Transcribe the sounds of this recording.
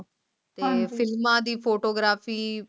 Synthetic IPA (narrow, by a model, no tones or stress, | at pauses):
t̪eːfʰɪlmãːd̪iːpʰoːʈoːɡɾaːfiː